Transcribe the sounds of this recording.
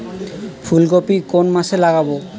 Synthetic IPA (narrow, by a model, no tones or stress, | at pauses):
fʰulɡopikonmaʃelaɡabo